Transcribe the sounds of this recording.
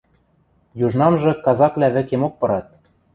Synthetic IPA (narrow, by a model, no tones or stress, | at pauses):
juʒnɑmʒɤ̆kɑzɑkβlʲæβɘ̆kemok̚pɤ̆ɾɑt̪̚